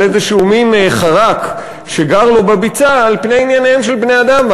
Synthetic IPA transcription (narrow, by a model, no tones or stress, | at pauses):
ezeʃuminχaʁak | ʃeɡaʁlobabit͡saːlpnejinjaneemʃelbne̞ad̪am